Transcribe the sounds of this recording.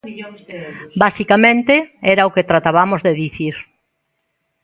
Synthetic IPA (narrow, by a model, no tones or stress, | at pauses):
basikamẽnt̪eɛɾaoket̪ɾat̪aβamozðeðiθiɾ